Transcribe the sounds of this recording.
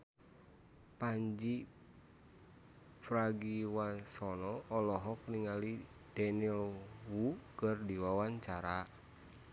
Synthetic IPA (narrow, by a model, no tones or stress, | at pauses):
paɲd͡ʒi | pɾaɡiwasɔnɔːlɔɦɔk̚niŋali | dɛnilwukɨrdiwawaɲt͡ʃaɾa